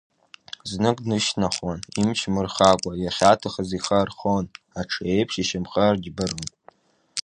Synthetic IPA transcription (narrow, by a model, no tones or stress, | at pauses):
znɨkʼnɨʃnaχwanimt͡ʃʰmɨrχakʷʼajaχʲatʰaχaziχarχon | aʈ͡ʂʰejpʰʂiʃɪmχərd͡ʒbɨron